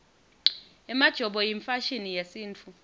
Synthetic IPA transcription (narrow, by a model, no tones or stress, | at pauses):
ɛmad̥ʒ̥ʱɔɓɔjiɱfaʃinijesiːnt͡fʰu